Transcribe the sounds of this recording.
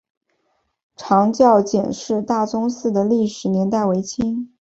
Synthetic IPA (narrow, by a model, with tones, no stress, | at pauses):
ʈ͡ʂʰɑ˧˥ŋt͡ɕjɑ˥˩ʊt͡ɕjɛ˨˩nʂɻ̩˥˧t̪a˥˩t͡sʊ˥ŋsɹ̩˥˩d̪ə˩li˥˩ʂɻ̩˨˩njɛ˧˥nt̪a˥˩ɪwe˧˥ɪt͡ɕʰi˥ŋ